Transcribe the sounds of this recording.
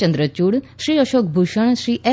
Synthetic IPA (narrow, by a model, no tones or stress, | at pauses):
ə̃nd̪ɾət͡ɕuːɽʃɾiːəʃoːkbʱuʃəɳ̃ʃɾiːʔɛ